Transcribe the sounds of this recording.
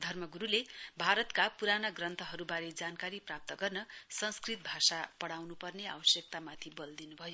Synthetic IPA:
d̪ʱʌrmʌɡuɾulebʱaɾʌt̪kapuɾanʌɡrʌnt̪ʰʌɦʌɾubaɾed͡zankaɾiprap̚t̪ʌɡʌrnʌsʌnskrit̪̚bʱasapʌɽawnupʌrnea̰wʌsjʌk̚t̪amat̪ʰibʌld̪inubʱʌjo

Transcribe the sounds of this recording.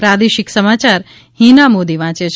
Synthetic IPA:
pɾad̪eʃɪksəmat͡ʃaɾ | hinamod̪iʋãːt͡ʃet͡ʃʰ

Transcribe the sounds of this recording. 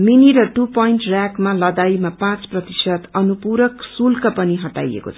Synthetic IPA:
miniɾʌʈupʌjɳʈrakmalʌd̪ajmapãt͡sprʌt̪isʌd̪ʌnupuɾʌksulkʌpʌniɦʌʈa̰jḛko̰t͡sʰʌ

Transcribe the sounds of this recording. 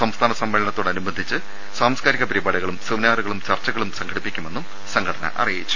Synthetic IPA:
sɐmst̪ʰaːnɐsɐmːelɐɳɐt̪ːoːɽɐnubɐnd̪ʱit͡ɕːɨ | saːmskaːɾiɣɐpɐɾibaːɽuɣɐɭumsɨʋnaːruɣɐɭumt͡ɕɐrt͡ɕɐɣɐɭumsɐŋɡʰɐɽipːikʲːume̞nːum | sɐŋɡʰʱɐɽɐnɐ̰ʔɐ̰rijit͡ɕːu̥

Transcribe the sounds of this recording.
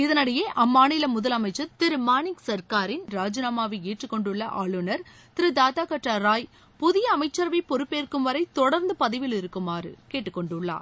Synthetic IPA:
ɪðɐnɐɽɐjeːʔɐmːaːnɪlɐmʊðɐlɐmɐɪt͡ʃːɐɾt̪ɪɾɯmaːnɪŋɡsɐɾkaːɾɪnɾaːd͡ʒɯnaːmaːʋɐeːʈrɯkːɔɳɖɯɭːɐʔa̰ːɭɯnɐɾ | t̪ɪɾɯd̪aːt̪aːkɐʈrɐɾaːj | pʊðɪjɐːmɐɪt͡ʃːɐɾʋɐɪpɔɾɯpːeːɾkɯmʋɐɾɐɪt̪ɔɽɐɾnd̪ɯpɐðɪʋɪlɪɾɯkːɯmaːɾɯ̰keːʈːɯkːɔɳɖɯɭːa̰ː

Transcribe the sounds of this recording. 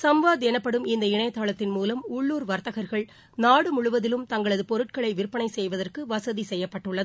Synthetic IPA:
sɐmʋaːðɛnɐpːɐɽɯmɪnd̪ɐɪɳɐjɐt̪ːaːɭɐt̪ːɪnmuːlɐmʊɭːuːɾʋɐɾt̪ːɐɣɐɾɣɐɭ | naːɽɯmʊɻʊʋɐðɪlɯmt̪ɐŋɡɐɭɐðɯpɔɾɯʈ̚kɐɭɐɪʋɪɾɯpːɐɳɐɪsɛjʋɐðɐrkɯʋɐsɐðisɛjːɐpːɐʈːɯɭːɐðɯ

